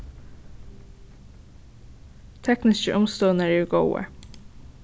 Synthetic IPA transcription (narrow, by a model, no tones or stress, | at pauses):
t̪ʰɛknɪskəʔʊmst̪oːənəɹɛːɹɡowə̰